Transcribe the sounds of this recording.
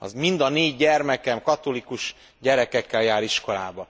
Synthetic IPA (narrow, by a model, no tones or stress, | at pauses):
ɒ̰mind̪ɒneːɟːɛrmɛkɛmkɒt̪o̞likuʃ | ɟɛɾɛkɛkːɛljaːɾiʃko̞la̰ːbɒ